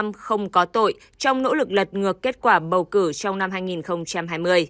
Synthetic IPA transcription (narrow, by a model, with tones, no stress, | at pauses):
mxə˧wŋ͡mkɔ˨˦t̪o̰˧˨j | t͡ɕɔ˧wŋ͡mno̰˧˥lɨ˨˩k̚lə˨˩t̚ŋɨ˨˩əkːe˦˥t̚kwaː˧˩ɓə˨˩wkɨ˧˩t͡ɕɔ˧wŋ͡mna˧mɦaː˧jŋi˨˩nxə˧wŋ͡mt͡ɕa˧mɦaː˧jmɨ˧əj